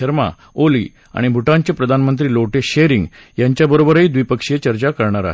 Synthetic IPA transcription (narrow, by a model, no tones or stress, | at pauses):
əɾma̰ | olḭː | a̰ɽ̃ibʱuʈãɲt͡ɕepɾəd̪ʱanmənt̪ɾiːloʈeɕeɾiŋɡ | jaɲt͡ɕjabəɾobəɾiːd̪ʋipəkʂet͡ɕəɾt͡ɕakəɾɳaɾa̰ɦ